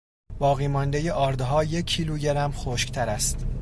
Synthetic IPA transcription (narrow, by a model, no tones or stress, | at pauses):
b̥ɒːɣiːmɒnd̪ejeʔɒːɾd̪ɦɒːje̞kʰːiːluːɟeɾæmxoʃkt̪ʰæɾæst̪